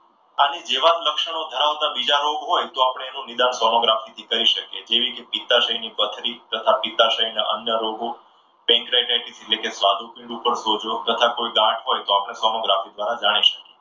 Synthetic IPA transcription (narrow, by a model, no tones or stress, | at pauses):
anid͡ʒeʋad̪ləkʃəɽ̃od̪ʱəɾaʋt̪abid͡ʒaɾoɡɦojt̪oapɽ̃eːnũnid̪ansɔnoɡɾafit̪ʰikəɾiʃəked͡ʒeʋikepit̪aʃəɦinipət̪ʰɾit̪ət̪ʰapit̪aʃəinaʔə̰njəɾoɡo | pɛ̃ŋkɾajʈajʈiselekesʋad̪upɪ̃ɳɖupəɾsod͡ʒot̪ət̪ʰakojɡãʈɦojt̪oapɽ̃esɔnoɡɾafid̪ʋaɾad͡ʒaɽ̃iʃə̥ke